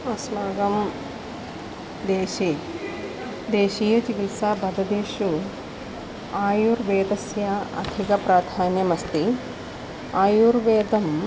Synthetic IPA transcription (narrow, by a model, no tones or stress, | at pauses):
ɐsmaːɡɐm | d̪eːʃi | d̪eːʃiːjɐt͡ʃikilsaːbɐd̪ɐd̪eːʃu | aːjuɾʋeːd̪ɐsjɐɐ̰d̪ʱikɐpɾaːd̪ʱaːnjɐmɐst̪i | aːjuɾʋeːd̪ɐm